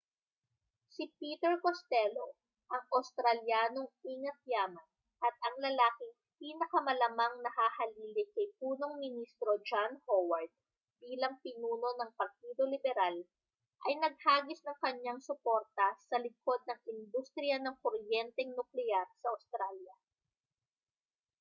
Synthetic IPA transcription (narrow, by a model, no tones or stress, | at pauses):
sipiːt̪ɛɹkost̪ɛlo̞ | ʔɐŋʔɐwst̪ɾɐljaːno̞ŋiːŋɐt̪̚jaːmɐn | ʔɐt̪̚ʔɐŋlɐlaːkɪŋ | piːnɐkɐmɐlɐmɐŋnɐhaːhɐliːlɪkɐjpuːno̞ŋmɪnist̪ɾo̞d͡ʒanhowɐɹt̪̚ | b̥iːlɐŋpɪnuːno̞nɐŋpɐɾt̪iːd̪o̞lɪbɛɾal | ʔɐjnɐɡ̚haːɡɪsnɐŋkɐɲaŋsʊpo̞ɾt̪ɐsɐlɪko̞d̪̚nɐŋɪnd̪ust̪ɾɪjɐnɐŋkoɾjɛnt̪ɛŋnʊklɛaɾsɐʔɐst̪ɾaljɐ